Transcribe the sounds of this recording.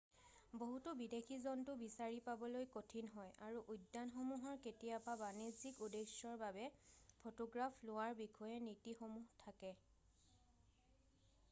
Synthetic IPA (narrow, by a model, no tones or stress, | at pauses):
boɦutubidekʰizɔntʊbisaɹipabɔlojkotʰinɦɔjaɹuʔujdːanxomuɦɔɹketijapabanizikudeʃɔɹbabɛpʰotɔɡɹapʰlʊwaɹbikʰɔjɛnitixomuɦtʰakɛ